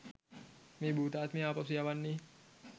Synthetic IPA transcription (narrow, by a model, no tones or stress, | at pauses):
mibut̪aat̪̚miapas̬iapanːi